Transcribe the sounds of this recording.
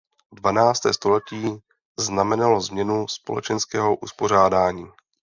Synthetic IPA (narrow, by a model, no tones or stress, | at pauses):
dvanaːt͡st̪ɛ̰ːst̪o̞lɛciː | znamɛnalo̞zmɲɛnuspo̞lɛ̰t͡ʃɛnskɛːɦo̞ʔuspo̞r̝aːdaːɲiː